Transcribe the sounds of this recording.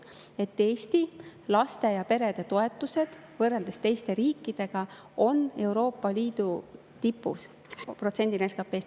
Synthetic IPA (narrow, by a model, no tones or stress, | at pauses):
e̞t̪ːe̞ːst̪ilɑst̪e̞jɑpe̞ɾe̞d̪̥e̞t̪o̞e̞t̪ːˑuse̞d̪̥ | vɤrːe̞ld̪e̞st̪e̞jst̪e̞ɾiːkːˑid̪̥e̞ɡ̥ɑ | o̞ne̞wɾo̞ːpːɑliːd̪̥u | t̪ipːˑṵs | pro̞t̪se̞nʲd̪ineskɑpːˑe̞ːs